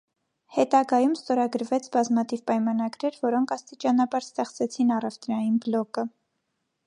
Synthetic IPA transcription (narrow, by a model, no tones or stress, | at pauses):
hɛt̪ɑɡɑjumst̪ɔɾɑɡəɾvɛt͡sʰbɑzmɑt̪ʰivpɑjmɑnɑɡɾɛɾvɔɾɔŋkʰɑst̪it͡ʃɑnɑbɑɾst̪ɛχt͡sɛt͡sʰinɑrɛvt̪ɾɑjinblɔkə